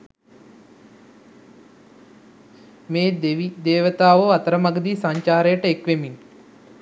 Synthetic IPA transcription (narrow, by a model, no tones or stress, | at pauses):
meːd̪eʋid̪eːʋət̪aːʋoat̪əɾəmaɡəd̪iːsaɲt͡ʃaːɾəjəʈəekʋemin